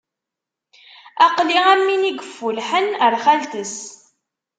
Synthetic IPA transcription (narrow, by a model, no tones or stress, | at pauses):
ɑqliæmːiniɡəfːulħənəɾχælt̪əs